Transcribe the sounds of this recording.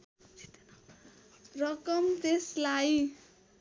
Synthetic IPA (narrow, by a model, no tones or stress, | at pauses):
rʌkʌmt̪eslaj